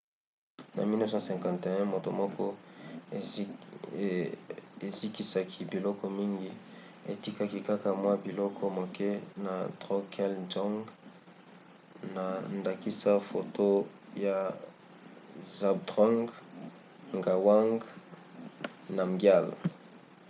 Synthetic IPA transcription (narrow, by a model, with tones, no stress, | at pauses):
na̰˨mi˦nɛ˦sɔ̃˦sɛ̃˨ŋkã˨nte˨ɛ̃˦mo˨to˨mɔ˦kɔ˦ | e˨zi˦ki˦sa˨kʰi˦bi˨lɔ˦kɔ˦mi˦ŋɡi˦ | e˨ti˦ka˦ki˦ka˦ka˨mwa˦bi˨lɔ˦kʰɔ˦mo˨kʰɛ˦na˨dʁo˦kʰɛ˦ld͡ʒɔ˦ŋɡ | na˨nda˨ki˦sa˦fo˨to˦ | ja˨ | za˨b̚dʁɔ˦ŋɡ | ŋɡa˨wa˦ŋɡ | na˨ŋɡja˦˨l